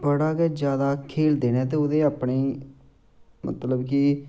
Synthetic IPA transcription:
bəɽaːkɛːd͡ʒjaːd̪aːkʰeːld̪eːnɛ̃ːt̪eːʊd̪eːaːpɳeː | mə̰t̪ləbki

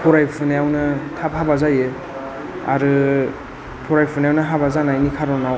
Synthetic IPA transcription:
pʰɔɾajpʰɯnajawnɯtʰap̚habazajɯ | a̰ɾɯ | pʰɔɾajpʰɯnajawnɯɦabazanajnikʰaɾɔnaw

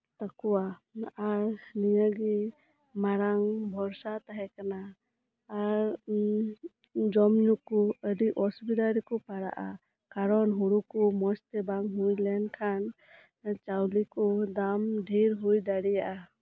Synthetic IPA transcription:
t̪akuwaaɾnijəɡi | maɾaŋbʱɔɾsat̪aɦɛkanaː | ɾ | d͡ʒɔmɲukuəɖiʔɔsubid̪aɾikɔpaɾa̰ʔa̰ | kaɾɔnɦuɾukumɔst̪ɛbaŋɦujlɛnkʰan | t͡ʃawlikɔd̪amɖʱiɾɦujd̪aɽijaʔa

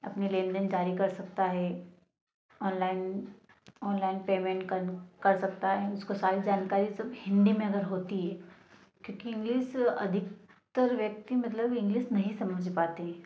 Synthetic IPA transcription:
ɐ̰pnilẽːnd̪ənd͡ʒaːɾikɐɾsɐk̚t̪aɦɛ | ɔːnlaːɪn | ɔːnlaːɪnpeːmẽːɳʈkɐnkɐɾsɐkt̪aɦɛʊskosaːɾid͡ʒaːnkaːɾisɐbhɪ̃nd̪imẽɐɡəɾɦoːt̪iɦɛː | kjõːkiɪ̃ŋɡliːsɐ̰d̪ʱɪk | t̪əɾʋjɐk̚t̪imɐt̪ləbɪ̃ŋɡliːsnɐɦĩsɐ̃məd͡ʒʱpaːt̪eɦɛː

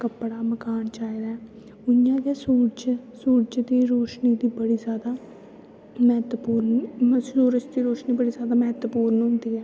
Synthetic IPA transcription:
kəpːɽaːməkaːɳt͡ʃaːid̪aːɛː | ʊjãːd͡ʒɛːsuːɾd͡ʒsuːɾd͡ʒd̪iːɾoːʃniːd̪iːbəɽiːzjaːd̪aː | mɛːt̪əpuːɾnuːɾət͡ʃd̪iːɾoːʃniːbəɽiːzjaːd̪aːmɛːt̪əpuːɾənɦʊ̃nd̪iːɦɛː

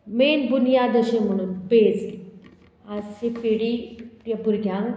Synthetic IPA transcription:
menbunjad̪əɕĩm̤əɽ̃uːnped͡z | ad͡zsepeɽitjabuɾɡʱjãŋ

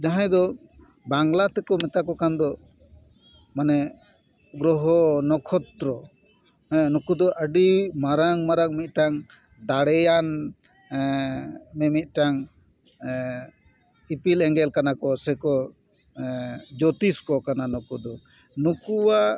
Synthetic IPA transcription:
d͡ʒaɦãjd̪ɔ | baŋlat̪ɛkɔmɛt̪akɔkand̪ɔ | manɛ | ɡɾɔɦɔnɔkʰɔt̪ɾɔ | nukud̪ɔʔəɖimaɾaŋmaɾaŋmit̪̚ˀʈaŋ | d̪aɽɛjan | mɛmit̪̚ˀʈaŋ | ipilɛŋɡɛlkanakɔsɛkɔ | d͡ʒɔt̪iskɔkananukud̪ɔ | nukuwa

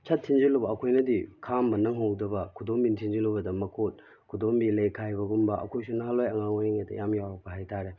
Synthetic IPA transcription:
t͡ʃʰɐtʰːind͡ʒilubɐːkʰojnɐdḭkʰambɐnɐŋɦowdɐbɐkʰudombintʰind͡ʒilubɐdɐmɐkʰot̚ | kʰudombilejkʰajbɐɡumbɐɐ̰kʰojsunɐɦalojɐŋaŋojeŋetɐ̰jamjawɾɐk̚pɐɦajtʰaɾe

